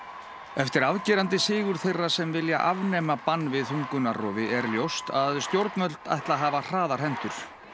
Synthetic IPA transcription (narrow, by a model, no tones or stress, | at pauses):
ɛft̪ɪɾaðcɪːɾant̪ɪsɪːɣʏɾ̥θejrːasɛmvɪlja̰ʔavnɛːmapanːvɪðθuŋkʏnarɔ̰ːðɪʔɛɾljowst̪aðst̪jowɾt̪nœlt̪a̰jht̪laɦaːvar̥aːðaɾ̥ɦɛmt̪ʏɾ̥